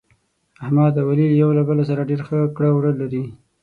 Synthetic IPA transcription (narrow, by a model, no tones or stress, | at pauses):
ahmɑd̪awaliljawlabəlasaɾaɖeɾxəkɽawɽəlaɾi